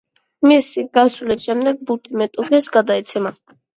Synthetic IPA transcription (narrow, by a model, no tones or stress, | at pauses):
misiɡasulɛʃɛmd̪ɛɡ̚but̪ʼimɛt̪ʼupʰɛsɡad̪aɛt̪sʰɛma